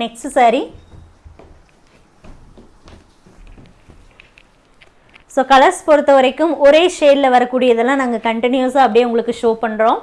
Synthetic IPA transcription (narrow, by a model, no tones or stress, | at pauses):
nɛkssaːɾi | soːkɐlɐɾspɔɾɯt̪ːɐʋɐɾɐɪkːɯmɔɾeːʂeːɾɪlɐʋɐɾɐkːuːɽɪjɐðɛlːãːnaːŋɡɐkɐɳʈɪnjoːsaːɐpːɐɽɪjeʊŋɡɐɭɯkːɯʂoːpɐɳɾõː